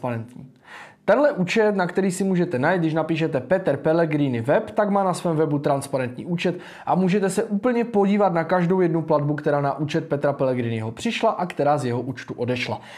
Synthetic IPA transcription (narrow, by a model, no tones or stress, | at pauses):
paɾɛnt̪ɲḭː | t̪ɛnɦlɛʔuːt͡ʃɛt̪nakt̪ɛɾiːsɪmuːʒɛt̪ɛnajit̪dɡdɪʃnapiːʃ̬ɛt̪ɛpɛt̪ɛɾpɛlɛɡɾɪnɪvɛpt̪aɡmaːnasvɛːmvɛbut̪ɾanspaɾɛnt̪ɲḭːʔuːt͡ʃɛt̪ | ʔamuːʒɛt̪ɛsɛʔuːpl̩ɲɛpo̞ɟiːvat̪nakaʒdo̞wjɛdnupladbukt̪ɛɾaːnaʔuːt͡ʃɛt̪̚pɛt̪ɾapɛlɛɡɾɪnɪɦo̞pr̝̥ɪʃlaʔakt̪ɛɾaːzjɛɦo̞ʔuːt͡ʃt̪uʔo̞dɛʃla̰